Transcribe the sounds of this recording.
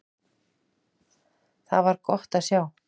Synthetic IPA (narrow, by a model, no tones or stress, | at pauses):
θa̰ðvaɾkɔht̪aðsjaːw